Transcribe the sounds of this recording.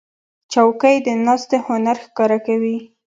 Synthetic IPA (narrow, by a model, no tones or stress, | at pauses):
t͡ʃawkəjd̪ənɑst̪ehʊnaɾxkɑɾakawi